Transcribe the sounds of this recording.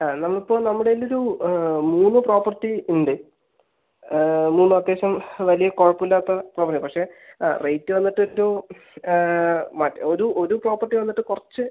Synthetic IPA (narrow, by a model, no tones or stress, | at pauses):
aːnɐmːɐɭipːo̞ːnɐmːuɽeilːo̞ɾumuːnːɨpro̞ːpɐrtːiuɳɖe | muːnːɨɐd̪ːe̞ːɕɐmʋɐlijɐkoːɻɐpːilːaːt̪ːɐproːpɐrʈːipɐkʂe̞rejtːɨʋɐnːiʈːɨoɾu | matːɐoɾuʔo̞ɾupro̞ːpːɐrʈːiʋɐnːiʈːɨkurɐt͡ɕːɨ